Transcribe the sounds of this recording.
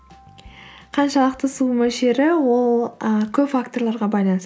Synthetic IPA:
qʰɑnʃɑlˠəqt̪əsumɵʃeɾɪwo̞lˠəkʲʰɵpfak̚t̪o̞rɾlˠɑɾʁɑbɑjlˠɑnəs

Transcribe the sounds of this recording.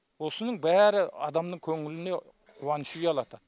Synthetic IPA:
wosəɪnəŋbæɾɪɑd̪ɑmnəŋkʲʰɵŋɪlɪnd̪e | qʰʊwɑnɨʃuɡʲɑlˠɑt̪ʰɑ

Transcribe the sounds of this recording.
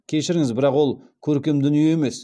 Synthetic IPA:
kʲʰe̞ʃɪɾɪŋɪzbɪɾɑqwo̞lˠ | kʲʰɵɾkʲe̞md̪ʏnijeeme̞s

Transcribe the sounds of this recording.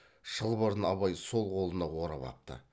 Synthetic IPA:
ʃəlˠbəɾənɑβɑjso̞lˠqʰo̞lˠənɑwo̞ɾɑ̰pɑ̰p̚t̪ə̰

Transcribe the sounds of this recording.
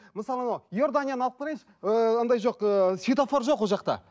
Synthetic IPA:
məsɑlˠɑnawjo̞ɾd̪anʲijanəɑq̚t̪əɾejʃ | əənd̪ɑjʒo̞qəsʲit̪ofo̞ɾʒo̞qwolˠʒɑqt̪ɑ̰

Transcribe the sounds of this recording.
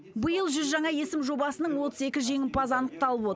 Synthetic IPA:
bəjəlˠʒʏzʒɑɴɑje̞sɪmʒo̞bɑsənəɴwo̞t̪əze̞kʲɪʒe̞ŋʲɪnpʰɑzɑnəq̚t̪ɑlˠəpo̞t̪

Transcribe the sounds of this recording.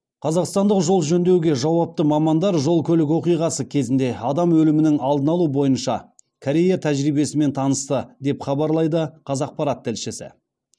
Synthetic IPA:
qʰɑzɑqst̪ɑnd̪əqʒo̞lˠʒɵnd̪e̞wɡʲe̞ʒɑwɑp̚t̪əmɑmɑnd̪ɑɾʒo̞lˠkʲʰɵlɪk̬ʲwo̞qijʁɑsəkʲʰe̞zɪnd̪e̞ɑd̪ɑmwɵlɪmɪnɪŋɑlˠd̪ənɑlˠubo̞jənʃɑ̰ | kʰoɾʲe̞jat̪ʰæʒɾijbe̞sɪme̞nt̪ʰɑnəst̪əd̪e̞pχɑbɑɾlˠɑjd̪əqʰɑzɑq̚pɑɾɑt̪ʰːɪlʃɪsɪ̰

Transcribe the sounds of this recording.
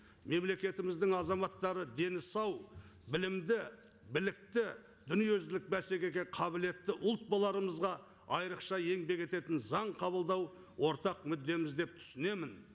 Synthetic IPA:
me̞mle̞kʲe̞t̪ɪmɪzd̪ɪŋɑzɑmɑt̪ːɑɾəd̪e̞nɪsɑw | bɪlɪmd̪ɪ | bɪlɪk̚t̪ɪ | d̪ʏnijezlɪk̚bæse̞kʲe̞kʲeqʰɑbɪle̞t̪ːɪʔʊlˠt̪̚bɑlˠɑɾəməzʁɑ | ɑjɾəqʃɑje̞ŋbe̞kʲe̞t̪e̞t̪ɪnzɑɴqʰɑβəlˠd̪ɑw | wo̞ɾt̪ɑqmʏd̪ːe̞mɪzd̪e̞p̚t̪ʰʏ̥sɪne̞mɪn

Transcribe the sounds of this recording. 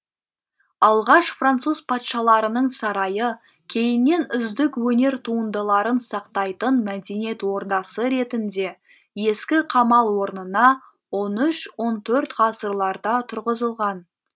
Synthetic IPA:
ɑlˠʁɑʃfrant̪suz̥pʰɑt̪ʃɑlˠɑɾənəɴsɑɾɑjə | kʲʰe̞jɪnːe̞nʏzd̪ɪkwɵne̞ɾt̪ʰuənd̪əlˠɑɾənsɑqt̪ɑjt̪ənmæd̪e̞nije̞t̪wo̞ɾd̪ɑsəɾe̞t̪ɪnd̪e̞ | je̞skʲɪqʰɑmɑlˠwo̞ɾnənɑ | wo̞nʏʃwo̞nt̪ʰɵɾt̪ʁɑsəɾlˠɑɾd̪ɑt̪ʰʊɾʁəzəlˠʁɑn

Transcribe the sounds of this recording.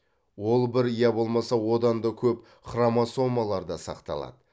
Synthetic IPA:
wo̞lˠbɪɾijɑbo̞lˠmɑsɑwo̞d̪ɑnd̪ɑkʲʰɵp | χramaso̞mɑlˠɑɾd̪ɑsɑ̰qt̪ɑ̰lˠɑ̰d̪ə

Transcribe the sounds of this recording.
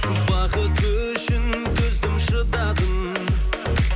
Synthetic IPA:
bɑqət̪ʰɵ | ʃɪnt̪ʰɵzd̪ɪmʃəd̪ɑd̪əm

